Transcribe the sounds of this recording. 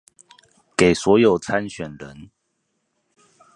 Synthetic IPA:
ke˨˩ɪswɔ˨˦jo˨˩ʊt͡sʰa˦nɕɥɛ˨˩nɻə˨˦n

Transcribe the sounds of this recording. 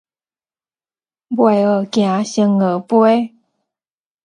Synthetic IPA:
bwe˨˩ə˨˩kj̃ã˨˦ɕə˧ŋə˨˦pwe˦

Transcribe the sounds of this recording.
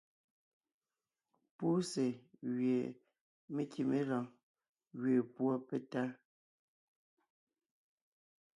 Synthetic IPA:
pu˦se˨ɣɥe˨ | me˦ki˨me˦la˨ŋ | ɣɥe˨pwɔ˦pe˦ta˦

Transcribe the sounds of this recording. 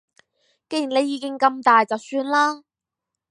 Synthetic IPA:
ke˥˧ji˨ne˧jːiː˨˧kɪ˥ŋkɐ˧mt̪aː˨jt͡sɐ˨wsyː˧nlaː˥

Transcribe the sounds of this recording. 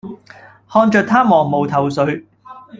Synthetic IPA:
hɔː˧nt͡ʃœː˨k̚t̪ʰaː˥mɔː˨˩ŋmo˨˩wt̪ʰɐ˨˩wsɵ˨˧˥ɥ

